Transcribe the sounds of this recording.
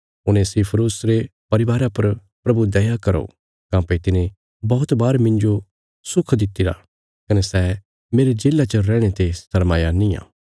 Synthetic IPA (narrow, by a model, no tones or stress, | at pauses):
ʊnẽsipʰɾuːsɾepɐɾɪʋaːɾapɐɾ | pɾɐbud̪ɐjakɐɾo̰ | kãːpeit̪ɪne | bɔːt̪baːɾmɪ̃nd͡ʒo | sʊkʰd̪ɪt̪ːɪɾa̰ | kɐnɛsɛː | meːɾed͡ʒeːlːat͡ʃəɾɛ̃ːɽ̃et̪est̪ʰɐɾmaːjanɪ̃jã̰ː